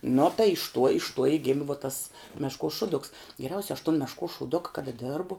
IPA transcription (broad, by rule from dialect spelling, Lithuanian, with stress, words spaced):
nʊ tɐɪ ɪʃ tuɔ ɪʃ tuɔ ɪ ˈɡʲɪmʲɪ ʋuɔ tɐs ˈmʲæːʃkuɔs ˈʃʊdʊks ɡʲɛˈrʲɛʊsʲɛ ɐʃ tʊn mʲɛʃkuɔs ʃuːˈdʊkɐ kɐˈdɐ ˈdʲeːrbʊ